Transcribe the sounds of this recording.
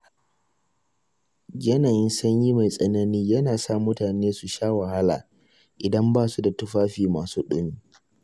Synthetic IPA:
ɡʲɐ˦naː˨jɪ˦nsɐ˦ɲji˦ma˨jsʼɐ˦nɐ˦niː˦jɐ˦naː˨saː˦mʊ˦taː˨neː˦su˨ʃaː˦wɐ˨ha˦la̰ː˨ | ʔɪ˨dɐ˦mbaː˦˨su˦da˨tʊ˦ɸaː˦ɸiː˨maː˨suː˦ɗʊ˦n˦

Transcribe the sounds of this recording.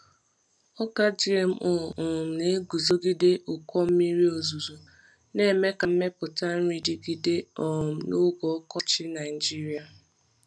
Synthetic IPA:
ɔ˦ɡa˦d͡ʒi˦e˨m̩˦ʔʊ˨ʊ˨m̩˨ne˦ɡu˨zo˦ɡi˦de˦ʔʊ˨kʷɔ˦m̩˦mi˦ɾi˦o˨zu˨zu˨ | ne˦˨me˦ka˨m̩˦me˦pʊ˨ta˦n̩˦ɾi˦di˦ɡi˦de˦ɔ˨m̩˨no˦ɡɔ˨ɔ˦kɔ˦t͡ʃɪ˦na˨ɪ˨d͡ʒi˦ɾi˨˦a˨

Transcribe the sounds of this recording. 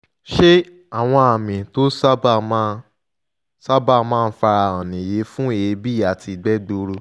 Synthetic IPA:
ʃe˦ | a˨w̃ɔ̃˧a˨mĩ˨to˦sa˦ba˦ma˦ | sa˦ba˦˨mãː˦˧n̩˦fa˧ɾa˧˨ã˨nĩ˨je˨˦fũ˦e˦˨je˧bi˦˨a˨tʰi˧˨ɡ͡bɛ˦do˧ɾu˧

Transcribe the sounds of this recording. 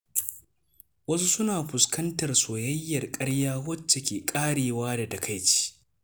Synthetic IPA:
wɐ˦su˦sʊ˦naː˨ɸʊ˨skɐ˦ntɐ˨rsoː˨jɐ˦jːɐ˨rkʼɐ˦ɽjaː˦wɐ˦t͡ʃːe˨kʲeː˨kʼaː˦ɽeː˨waː˦da˨dɐ˨kʰa˦jt͡ʃi̥ː˦

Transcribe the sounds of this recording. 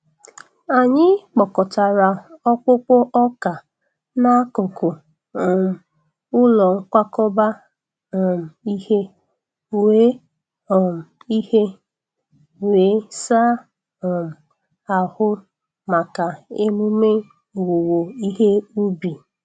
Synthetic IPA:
a˨ɲɪ˦k͡pɔ˨kɔ˨ta˨ɾa˨ɔ˦k͡pʊ˦k͡pʊ˦ʔɔ˦ka˨ | na˦ko˨ko˨ | ɔ˨m̩˨ | ʊ˦lɔ˨ŋ̩˦kʷa˦kɔ˦ba˦˨ | m̩˨i˦he˦ | we˦ | ɔ˨m̩˨i˦he˦ | we˨˦sa˦ | ɔ˨m̩˨ | a˨hʊ˦ | ma˨ka˨ɪ˦mu˦me˦˨ | wo˨wo˨i˦ɦe˦u˦bi˨

